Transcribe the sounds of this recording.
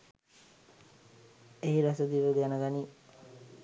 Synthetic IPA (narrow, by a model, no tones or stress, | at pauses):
eiɾasəd̪iʋəɡænəɡani